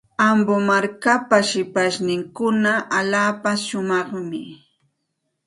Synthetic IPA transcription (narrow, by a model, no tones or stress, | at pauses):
ambomaɾkapaʃɪpaʃnɪŋkʊnaalaːpaʃʊmɑχmɪ̰